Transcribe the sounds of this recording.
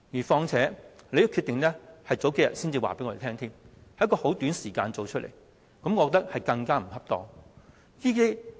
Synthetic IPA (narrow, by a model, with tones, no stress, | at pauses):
jiː˨˩fɔː˧ŋt͡sʰɛː˨˥ne˨˧jɐ˧˥kʰy˧t̪ɪ˨ŋlɛː˥hɐ˨jt͡so˨˥wke˨˥jɐ̰˨t̚siː˥nt͡siː˨wa̰ː˨pe˨˥jŋɔː˨˧e˨t̪ʰɛː˥ŋt̪ʰiː˥mhɐ˨˦jkɔː˧ho˨˥wt̪yː˨˥nsiː˨˩ka̰ː˧nt͡so˨wt͡ʃʰɵ˥t̚lḛ˨˩j | kɐ˨˥mkɔː˧kt̪ɐ˥k̚hɐ˨jkɐ˧ŋkaː˥m̩˨˩hɐ˥p̚t̪ɔː˥ | jiː˥ke˥j